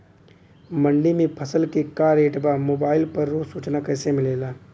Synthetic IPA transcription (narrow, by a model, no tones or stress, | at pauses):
məɳɖimẽpʰɐsəlkekaːɾeːʈbaːmoːbaːɪlpɐɾːuːsuːt͡ʃnakɛːsemɪleːlaː